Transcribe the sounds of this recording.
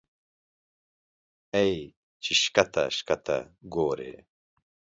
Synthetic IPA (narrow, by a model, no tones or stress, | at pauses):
ej | t͡ʃɪʃkat̪a̰ʃkat̪a̰ɡoːɾḛː